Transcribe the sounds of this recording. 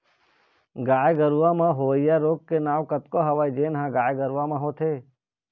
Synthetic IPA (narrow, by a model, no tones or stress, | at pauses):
ɡaːjɡəɾuʋãmãːɦoːəjaːɾoːkkenaːʋkət̪koɦəʋaːid͡ʒeːnɦãːɡaːjɡəɾʋãmãːɦoːt̪ʰeː